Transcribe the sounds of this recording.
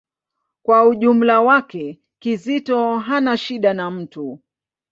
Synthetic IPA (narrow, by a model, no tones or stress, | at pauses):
kwauʄum̩lawakɛ | kizitɔɦanaʃiɗanam̩tu